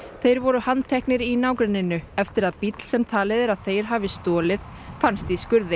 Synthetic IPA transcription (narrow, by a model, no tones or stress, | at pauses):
θejɾvɔɾʏhant̪ʰɛhknɪɾinaːwkɾɪnɪnːʏɛft̪ɪɾaðpit̪l̥sɛmt̪ʰaːlɪðɪɾaðθejɾ̥ɦaːvɪst̪ɔːlɪð̥ | fanst̪iskʏɾðɪ